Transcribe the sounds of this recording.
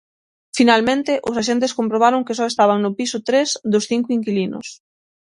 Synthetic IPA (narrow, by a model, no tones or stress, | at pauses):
finalmẽnt̪ɪʔʊsaʃ̬ent̪̬ɪskompɾoβaɾoŋkɪsɔest̪aβ̞aŋnʊpisʊt̪ɾezðʊsθiŋkʊiŋkilinʊ̰s